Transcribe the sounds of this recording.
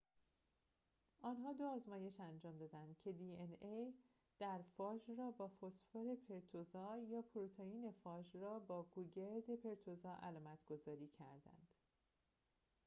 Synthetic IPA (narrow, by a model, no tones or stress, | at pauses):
ʔɒːnɦɒːd̪oɒːzmɒːje̞ʃænd͡ʒɒːmd̪ɒːd̪ænd̪̥cʰe̞d̪ienej | d̪̥æɾfɒːd͡ʒrɒːbɒːfosfoɾe̞pʰeɾt̪ʰozɒːjɒːpʰoɾot̪ʰeiːne̞fɒːd͡ʒrɒːbɒːɡuɟeɾd̪e̞pʰe̞ɾt̪ʰozɒːʔælɒːmæt̪ʰɡ̥o̞zɒːɾiːcʰæɾd̪æ̰nd̪̥